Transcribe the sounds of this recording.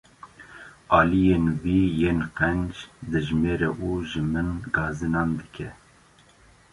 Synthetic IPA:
ɑːlijenwiːjeːnqɛnd͡ʒd̪ɨʒmeːɾɛʔuʒɨmɨnɡɑːzɨnɑːnd̪ɨkʰɛ

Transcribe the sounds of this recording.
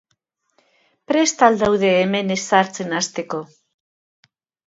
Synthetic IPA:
pɾe̞st̪ald̪awðe̞ːme̞nesaɾt͡se̞nast̪e̞ko̞

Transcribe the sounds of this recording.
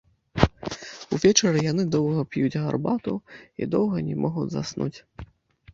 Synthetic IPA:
uvʲɛt͡ʂɐɾɨjanɨd̪ɔwɣɐpʲjud͡zʲɣa̰rbat̪uḭd̪ɔwɣɐnʲɛmʔɔɣud͡zʲza̰snṵt͡sʲ

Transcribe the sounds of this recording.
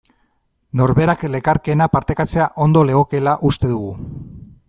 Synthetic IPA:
no̞ɾβe̞ɾakle̞kaɾke̞napaɾt̪e̞kat͡se̞aʔo̞nd̪o̞le̞ɣo̞ke̞laʔust̪e̞ðuɣ̞u

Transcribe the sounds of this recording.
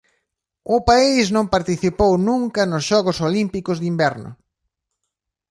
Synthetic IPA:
ʊpaisnõmpaɾt̪iθipownũŋkɐnʊsʃɔɣʊsolimpikʊzðimbɛɾnʊ̰

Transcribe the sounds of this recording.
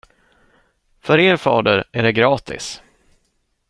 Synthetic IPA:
fœɾeːɾfɑːd̪əɾæɖɛɡɾɑːt̪ɪ̰s

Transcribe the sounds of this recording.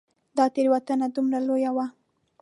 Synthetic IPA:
d̪ɑt̪eɾwat̪ənad̪umɾalojawa

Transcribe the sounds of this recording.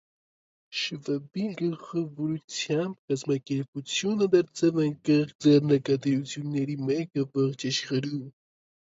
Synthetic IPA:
ʃəvəbiɡəχəvɔɾut͡sʰjɑmbkɑzmɑkɛɾput͡sʰjunəd̪ɑɾt͡sɛvɑŋkɛχd͡zɛrnəkɑt̪əɾut͡sʰjunːɛɾimɛkəvɔχt͡ʃɑʃχəɾum

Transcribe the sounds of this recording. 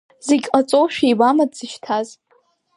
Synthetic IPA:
z̥eɡʲqʼat͡sʼoʃᶣijbamadz̥ɨʃtʰaz

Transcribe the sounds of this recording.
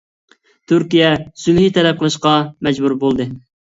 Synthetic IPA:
t̪ʰyɾkʲijɛsylhit̪ʰɛlɛp̚qʰəlˠɨʃqɑmɛd͡ʒbuɾbolˠd̪ɨ

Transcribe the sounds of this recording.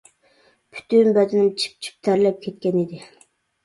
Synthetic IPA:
pʰy̥t̪ʰynbæzɪnɪmt͡ʃʰi̥p̚t͡ʃʰi̥p̚t̪ʰæɾlɛp̚kʲʰet̪̚kʲɛnid̪ɪ

